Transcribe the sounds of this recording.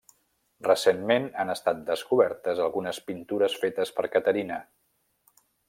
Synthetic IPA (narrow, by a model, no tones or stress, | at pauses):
rəsenmenanəst̪at̪̚d̪əskuβɛɾt̪əzəlˠɣunəspint̪uɾəsfet̪əspəɾkət̪əɾinə